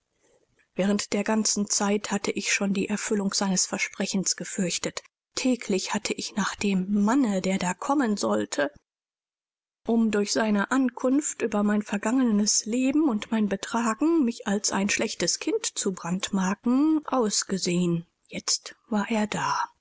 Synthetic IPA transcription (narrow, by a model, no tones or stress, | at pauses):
vɛːʁ̞əntd̥eːɐɡant͡sn̩t͡saɪthatʰəʔɪçʃoːndiːʔɛɐfʏlʊŋz̥aɪnəsfɛɐʃpʁ̥ɛçn̩sɡ̥əfʏɐçtətʰː | ɛːkʰlɪçhatʰəʔɪçnaːχd̥eːmːanədeːɐdaːkʰɔmənzɔltʰə | ʔʊmdʊɐçz̥aɪnəʔankʰʊnftʔyːbɐmaɪnfɛɐɡaŋənəsleːbm̩ʊntmaɪnbətʁ̥aːɡŋ̩mɪçalsʔa̰ɪnʃlɛçtəskʰɪntt͡subʁantmaɐkŋ̩ʔaʊsɡ̥əzeːən | jɛt͡stv̥aːɐʔeːɐdaː